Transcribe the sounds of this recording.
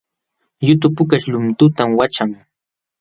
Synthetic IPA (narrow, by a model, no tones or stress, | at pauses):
jʊt̪ʊpʊkaʃʎʊmt̪ʊt̪amwat͡ʃaŋ